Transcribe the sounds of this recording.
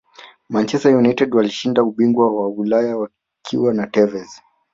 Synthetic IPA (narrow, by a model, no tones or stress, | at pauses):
mant͡ʃɛstajunajtɛdwaliʃindauɓiŋɡwawawilajawa | kʰiwanatɛvɛz